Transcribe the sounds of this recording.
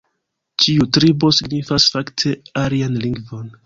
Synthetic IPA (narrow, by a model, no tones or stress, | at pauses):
t͡ʃiutɾibo̞siɡnifasfaktʰe̞alianliŋɡvo̞n